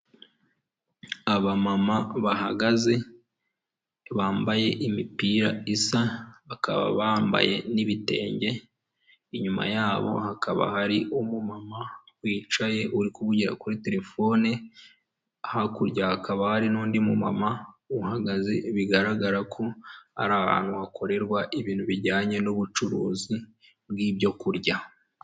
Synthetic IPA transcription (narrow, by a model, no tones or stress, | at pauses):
aβamamaβahaɡaze̞ | βaːmbaje̞ʔimipiːɾaisaaka̰βa̰βaːmba̰je̞niβite̞̰ːɲɟe̞ | iɲuma̰jaːβo̞̰hakʰaβa̰haɾiʔomumamawiːt͡ʃaje̞ʔuɾikuβuɟiɾa̰kuɾite̞ɾe̞fo̞ːni | ahakuɾɟahakaβahaɾinuːndimumamauhaɡaziβiɡaɾaɡaɾakʰo̞a̰ɾaha̰ːnhuakʰo̞ɾe̞ɾɡwaʔiβiːnhuβiɾɟaːɲe̞noβut͡ʃuɾuːzi | bɡiːbjo̞kuɾɟa